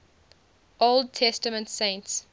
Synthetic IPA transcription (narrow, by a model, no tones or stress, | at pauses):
ʔolˠd̚tʰɛstəmə̃ntsẽɪ̃nts